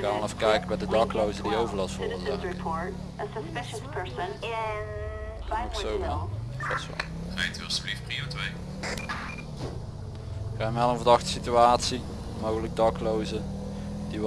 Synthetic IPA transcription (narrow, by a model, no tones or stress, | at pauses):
kaːnʋənɑfkɛjkəbɛdədɑklowzədiowvəɹlɑsfɔəzaɹɪpʰɔɹt | ʔəsəspɪʃəspʰɜɹsə̃n | aoksowfɔsʋa̰ | χajtyɔsəlifpriotʋej | kanmɛlˠənvəɹdɑxtə̥sityaːtsi | mowɣələk̚dɑklowzə | d̥iʋ